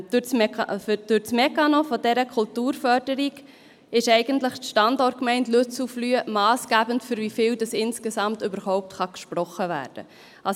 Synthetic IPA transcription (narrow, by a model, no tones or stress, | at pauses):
d̥ʊt͡smɛfd̥ʊɾt͡smɛkɑnɔfɔdɛɾəkʰultuːɾfœɾd̥əɾiɡ | ɪʃɛɪɡəntləχtʃtɑndɔt̚kmɛɪntløt͡suflyːəmɑːsɡ̥æːbəntfʏɾvifɪːldɑsɪnskəsɑmtʏbəɾhɔʊp̚tχɑkʃpɾɔχəvæ̰ːɾd̥ə̰ | ʔɑs